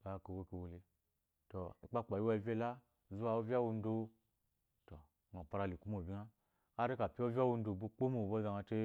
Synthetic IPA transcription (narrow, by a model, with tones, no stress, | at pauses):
ka˨ko˨wo˦ki˧˨wo˨li˧ | to˨i˨k͡pa˦k͡pa˨ji˦wa˦˨vʲe˦la˦˨ | zu˦wa˨o˦vʲa˦wu˦˧n̩˦do˧ | to˨ | ŋo˨pa˧ɾa˧˨li˨ku˦mo˨bʲi˦na˦ | a˦ɾi˦ka˨pʲi˦o˦vʲa˦wu˧n̩˦do˨bu˦k͡po˦mo˦˨bo˦za˧ŋa˧te˦